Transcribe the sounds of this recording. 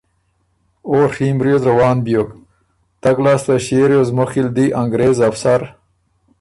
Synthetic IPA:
oːɾxiːmbɾjozɾawɑːnbijok | t̪ɐɡlaːst̪aɕeːɾjozmoxild̪iʔaŋɡɾeːzafsaɾ

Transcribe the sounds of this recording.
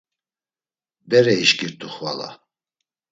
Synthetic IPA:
d̪ɛɾɛiʃɡiɾt̪ʰʼuχva̰la̰

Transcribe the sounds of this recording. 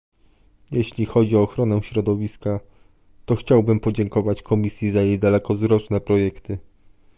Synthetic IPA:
jɛɕlʲixɔd͡ʑiɔːxɾɔnɛ̃ɕɾɔd̪ɔvʲiska | t̪ɔxt͡ɕawbɘmpɔd͡ʑɛŋkɔvat͡ɕkʰɔmʲisʲjizajejd̪alɛkɔzɾɔt͡ʂnɛpɾɔjɛkt̪ɘ

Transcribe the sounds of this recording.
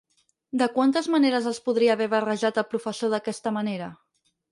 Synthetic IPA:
d̪əkwant̪əzməneɾəzəlˠspuðɾiəːβɛβərəʒat̪əlˠpɾufəsoðəkɛst̪əməneɾə

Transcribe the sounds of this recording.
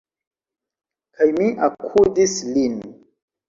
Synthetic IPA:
kʰajmiʔakʰudislin

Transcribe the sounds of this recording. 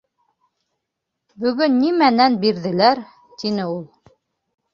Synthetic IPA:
bɵ̆ɡɵnːimænænbiɾðɘ̆læɾ | t̪inɘulˠ

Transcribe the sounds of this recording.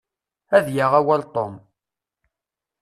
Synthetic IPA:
æðjaʁæwælt̪ˤom

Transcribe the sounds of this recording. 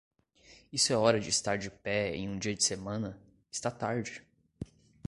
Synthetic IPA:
isʊɛɔɾɐd͡ʒɪːst̪aɾd͡ʒɪpɛḛ̃j̃ũd͡ʒiɐd͡ʒɪsemɐ̃nɐ | ɪst̪at̪aɾd͡ʒɪ

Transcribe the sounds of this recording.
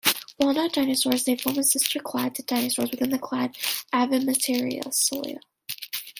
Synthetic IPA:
walˠnɑd̥ãɪnɨsɔɹzðeɪfɔɹməsɪstʰə˞kʰl̥æd̪̚tʰɨd̥ãɪ̃nɨsɔɹzwɨθɪ̃nðɨkʰl̥ædævɨmɨtʰɪɹḭɨ̰l̩ˠsolˠjə̰

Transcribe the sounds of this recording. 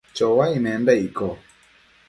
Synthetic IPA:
t͡ʃɔwaimɛndaikɔ

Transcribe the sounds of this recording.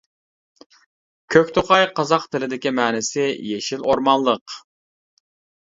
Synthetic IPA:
kʲʰøkʲt̪ʰoqɑjqɑzɑqt̪ʰɪlɪd̪ɪkʲimæːnɪsɪjeʃiloɾmɑnlˠəq

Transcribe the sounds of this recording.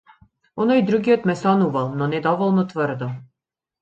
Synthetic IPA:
ɔnɔjd̪ɾuɡiɔt̪mɛsɔnuvalˠnɔnɛd̪ɔvɔlˠnɔt̪vərd̪ɔ

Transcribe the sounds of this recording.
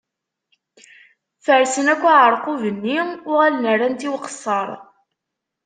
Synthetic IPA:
fəɾsənækʷːæʁəɾˤqʊvənːiʊʁælənərˤːænt̪iwqə̥sˤːɑɾˤ

